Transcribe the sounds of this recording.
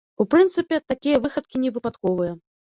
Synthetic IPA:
upɾɨnt̪sɨpʲɛt̪akʲijɐvɨxɐt̪̚kʲinʲɛvɨpat̪kɔvɨjɐ

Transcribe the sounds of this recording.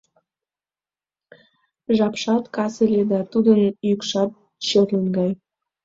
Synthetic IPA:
ʒɑpʃɑt̪kɑselʲed̪ɑt̪ud̪ənjykʃɑt̪̚ | ɕørlənɡɑj

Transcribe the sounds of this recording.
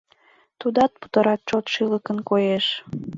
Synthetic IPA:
t̪ud̪ɑt̪̚pu̥t̪ə̆ɾɑt̪̚t͡ɕot̪ʃɨləkənkojeʃ

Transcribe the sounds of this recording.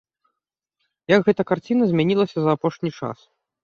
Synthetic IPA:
jɐɡɣɛt̪ɐkart͡sʲinɐzʲmʲanʲilˠɐsʲɐzɐːpɔʂnʲit͡ʂa̰s

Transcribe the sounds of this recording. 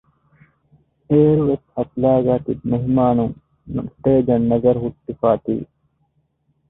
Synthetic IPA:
eːɾʋet̪hɐt̪laːɡaːt̪it̪̚mɐɦimaːnuŋ | nsʈeːd͡ʒɐnːɐɡɐɾɦuʈ̪ːifaːt̪ḭː

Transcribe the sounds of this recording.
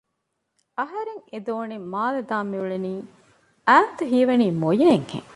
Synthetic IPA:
ʔɐɦɐɾeŋed̪oːnimaːlɐd̪aːmːiuɭeniː | æːnt̪uɦiːʋɐniːmojɐeŋɡḛŋ

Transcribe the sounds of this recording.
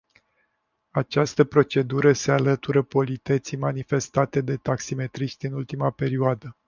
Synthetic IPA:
at͡ʃast̪əpɾo̞t͡ʃe̞d̪uɾəsealət̪uɾəpo̞lit̪et̪simanife̞st̪at̪e̞d̪e̞t̪aksime̞t̪ɾiʃt̪ʲɨnult̪imape̞ɾioad̪ə

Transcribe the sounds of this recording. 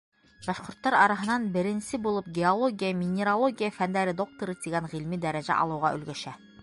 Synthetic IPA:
b̥ɑʃqŏɾt̪ːɑɾɑɾɑɦɤ̆nɑnbɘ̆ɾɘ̆nsɘbulˠɤp̚ɡʲeolˠoɡʲijəmʲɪnʲɪɾolˠoɡʲijəfænd̪æɾɘd̪o̞k̚t̪ŏɾɤt̪iɡæɴʁilmid̪æɾæʑæ̰ʔɒ̰lˠɤ̆wʁɑʔɵ̰̆lɡæʃæ

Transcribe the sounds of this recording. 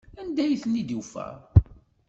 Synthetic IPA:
ænd̪æjθənːid̪ufæ̰ʁ

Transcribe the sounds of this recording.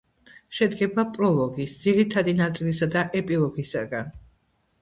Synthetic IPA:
ʃɛd̪ɡɛbapʼɾɔlˠɔɡisd̪z̥iɾit̪ʰad̪inat̪sʼilisad̪aʔɛpʼilˠɔɡisaɡan

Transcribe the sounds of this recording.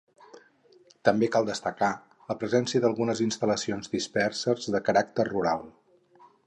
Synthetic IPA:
t̪əmbekalˠd̪əst̪əka | ləpɾəzɛnsiəðəlˠɣunəzinst̪ələsionzd̪ispɛrsərzðəkəɾak̚t̪ərruɾalˠ

